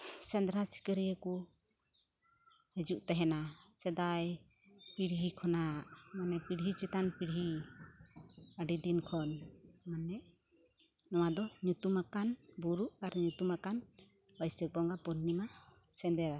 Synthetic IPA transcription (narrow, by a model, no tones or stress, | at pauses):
sɛnd̪ɾasi̥kəɾijəku | həd͡ʒuʔt̪ɛɦɛnasɛd̪aj | piɽɦikʰɔnaʔmanɛpiɽɦit͡ʃɛt̪anpiɽɦi | əɖid̪inkʰɔnmanɛʔ | nɔwad̪ɔɲut̪umakanbuɾuʔaɾɲut̪umakan | bəjsək̚bɔŋɡapɔnːima | sɛnd̪ɛɾa